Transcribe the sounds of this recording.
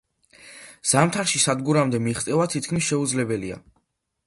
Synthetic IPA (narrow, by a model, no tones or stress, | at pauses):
z̥amt̪ʰaɾʃisad̪ɡuɾamd̪ɛmiχt̪sʼɛvat̪ʰit̪̚ʰkʰmisʃɛud̪zlɛbɛlia̰